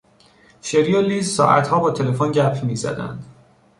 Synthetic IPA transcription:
ʃeɾjolːiːzsɒ̰ːʔæ̰t̪hɒːbɒːt̪ʰe̞le̞fonɟæpʰmiːzæ̰d̪æ̰nd̪̥

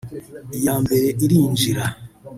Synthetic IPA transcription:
jambeɾeʔiɾind͡ʒiɾa

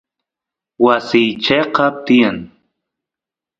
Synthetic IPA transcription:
wasɪjt͡ʃeqɑt̪ɪjaŋ

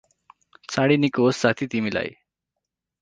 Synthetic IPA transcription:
t͡saɽinikosːat̪ʰit̪imila̰j̰

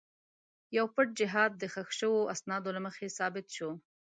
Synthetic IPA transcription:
jawpəʈ̚d͡ʒɪɦɑd̪̚ːəxaxʃəwoʔasnɑd̪olaməxesɑbɪt̪ʃo

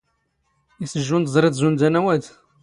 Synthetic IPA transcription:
isəʒːund̪zˤɾˤed̪zund̪ænæwæd̪

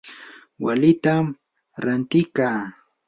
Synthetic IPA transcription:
walɪt̪am | ɾant̪ɪkaː

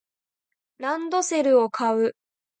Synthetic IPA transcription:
ɾãnd̪o̞se̞ɾɯ̟o̞kʰaɯ̟

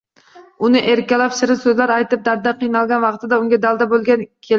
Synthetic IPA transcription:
ʊnɪʔeɾkʲalapʃɪɾɪsɵzlaɾajt̪ɪp̚d̪aɾd̪aqʰɨjnɑlˠɡʲanvɑqt̪ʰɪd̪aʊŋɡʲad̪alˠd̪abolˠɡʲankʲʰel

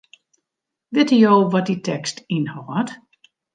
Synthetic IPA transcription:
dɪtəjowʋɔt̚ditʰɛkstinhawat

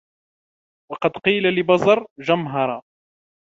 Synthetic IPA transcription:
wɑqɑd̪qiːlalɪbɑzˤɑɾˤʒamɦɑɾˤɑ

